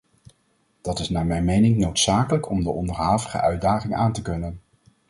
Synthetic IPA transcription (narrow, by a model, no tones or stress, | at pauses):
d̥ɑtɪsnaːɹmɛjmejnɪŋnowtsaːkələkɔmdəʔɔndəɹɦaːvəχə̰ʔœɥdaːχɪŋʔaːntəkɵnən